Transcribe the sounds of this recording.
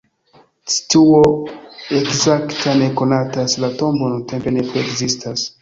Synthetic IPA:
t͡ʃi̥tuoekzaktʰane̞ko̞nataslato̞mbo̞nunte̞mpe̞ne̞pɾiekzistʰas

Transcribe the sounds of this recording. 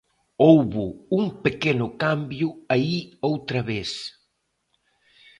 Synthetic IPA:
owβʊuŋpekenʊkambjʊaiowt̪ɾɐβes

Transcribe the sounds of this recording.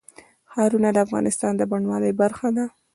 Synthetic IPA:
xɑɾunad̪əafɣɑ̰nɪst̪ɑnd̪əbaɳwɑləjbaɾxad̪a

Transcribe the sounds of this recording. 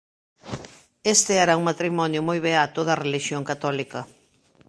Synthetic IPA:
est̪ɪɛɾauŋmat̪ɾimɔnjʊmojβeat̪oðɐreliʃjoŋkat̪ɔlikɐ

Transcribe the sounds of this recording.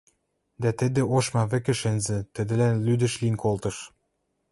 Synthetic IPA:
d̪æt̪ɘ̆d̪ĕoʃmɑβɘ̆kɘ̆ʃĕnzɘ̆t̪ə̆d̪ɘ̆lænlyd̪ə̆ʃlinkolt̪ɤ̆ʃ

